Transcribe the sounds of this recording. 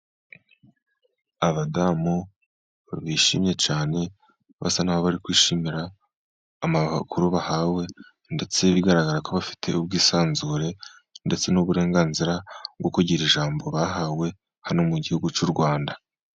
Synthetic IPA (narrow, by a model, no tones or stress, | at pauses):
aβadamu | βaβiʃimɲe̞t͡ʃaːne̞ | βa̰sanahoβaɾikwiːʃimiɾaː | maa̰kʰuɾuβahawe̞ | nde̞t͡se̞βiɡaɾaɡaɾakoβafi̥tʰe̞̰ubɡiːsaːnzuːɾe̞ | nde̞t͡se̞nuβuɾe̞ːŋɡaːnziɾaɡokuɟiːɾiʒaːmbo̞βaɦawe̞ | hanomuɟihuɡut͡ʃuɾɡwaːnda